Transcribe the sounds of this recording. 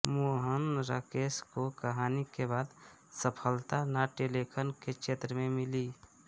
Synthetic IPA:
moɦənɾa̰ːkeːskokəɦaːnikebaːd̪ | səpʰəlt̪anaʈelekʰənkekt͡ʃʰeːt̪ɾəmẽmɪli

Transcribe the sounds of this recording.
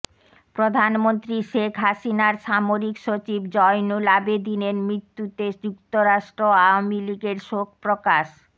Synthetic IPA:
pɾod̪ʱanmont̪ɾiʃekʰɦaʃinaɾʃamoɾikʃot͡ɕibd͡ʑɔjnulabed̪inenmɾit̪ːut̪ed͡ʑukt̪oɾaʃʈɾoaoamiliɡeɾʃok̚pɾokaʃ

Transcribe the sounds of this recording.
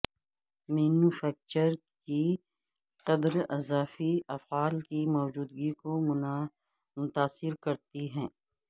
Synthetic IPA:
miːnufɛːk̚t͡ʃəɾki | qɐd̪ɾɐzaːfiɐfɣaːlkimɔːd͡ʒuːd̪ɡiko | mʊt̪aːsɪɾkɐɾt̪iɦɛ̃ː

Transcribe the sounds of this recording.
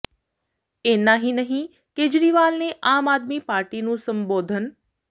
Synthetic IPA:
eːnaɦinəɦĩ | keːd͡ʒɾiːʋaːlneʔaːmaːd̪mipaːɾʈinũsə̃mboːd̪ʱən

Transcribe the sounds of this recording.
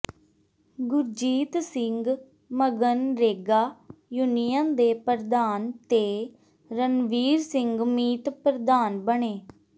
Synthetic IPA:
ɡʊɾd͡ʒiːt̪sɪŋɡ | məɡənɾeːɡaːjunijãːd̪eːpəɾd̪aːnt̪eː | ɾənʋiːɾsɪŋɡmiːt̪pɾəd̪aːnbəɳeː

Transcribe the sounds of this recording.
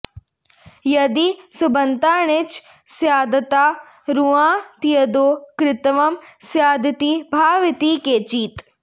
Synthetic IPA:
jɐd̪isʊbənt̪aːɳ̃ɪt͡ʃ | sjaːd̪t̪aː | ɾuãːt̪ijəd̪oːkɾɪt̪ʋɐmsjaːd̪t̪iːbʱaːʋɪt̪iːkeːt͡ʃiːt̪

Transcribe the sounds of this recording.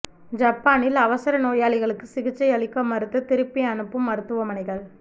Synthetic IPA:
d͡ʒɐpːaːnɪlɐʋɐsɐɾɐnoːjaːɭɪɣɐɭɯkːɯsɪɣɪt͡ʃːɐɪɐɭɪkːɐmːɐɾɯt̪ːɯt̪ɪɾɯpːɪɐnɯpːɯmːɐɾɯt̪ːɯʋɐmɐnɐɪɣɐɭ

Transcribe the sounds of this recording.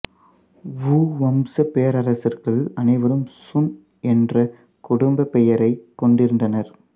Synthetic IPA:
ʋuːʋɐmsɐpejɐɾɐɾɐsɪrɣɐɭɐnɐɪʋɐɾɯmsʊn | ɛndrɐ | kʊɽʊmbɐpɛjɐɾɐɪkːɔɳɖɪɾɯndɐnɐɾ

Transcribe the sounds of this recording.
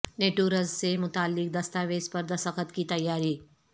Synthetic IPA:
neːʈuːɾəzsemʊt̪aːlːɪk̚d̪ɐst̪aːʋeːzpɐɾd̪ʱɐsəkʰət̪kit̪ɐjːaːɾiː

